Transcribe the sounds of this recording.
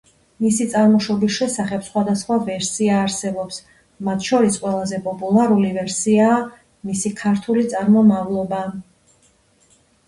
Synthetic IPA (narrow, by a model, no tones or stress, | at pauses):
misit̪sʼaɾmɔʃɔbisʃɛsaχɛbsχwad̪asχwavɛɾsiaːɾsɛbɔps | mat̪ʰʃɔɾisqʼwɛlˠazɛpʼɔpʼulˠaɾulivɛɾsiaː | misikʰaɾt̪ʰulit̪sʼaɾmɔmavlˠɔba